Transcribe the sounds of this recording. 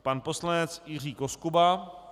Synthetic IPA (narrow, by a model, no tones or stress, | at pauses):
panposlanɛt͡sjɪr̝iːkoskuba